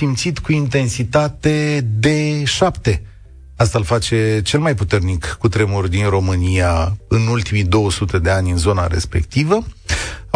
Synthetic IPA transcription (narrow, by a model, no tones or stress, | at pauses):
imt̪sit̪kuint̪e̞nsit̪at̪e̞d̪e̞ʃapt̪e̞ | ast̪alfat͡ʃe̞t͡ʃe̞lmajput̪e̞rnikːut̪ɾe̞murʲd̪inro̞mɨnijaɨnult̪imid̪o̞wəsut̪e̞d̪e̞anʲɨnzo̞na̰ɾe̞̰spe̞̰kt̪ivə